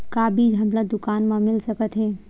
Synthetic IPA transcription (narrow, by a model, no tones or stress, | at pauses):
kaːbʱid͡ʒɦəmɾad̪ʊkaːnmãmɪlsəkət̪ɦeː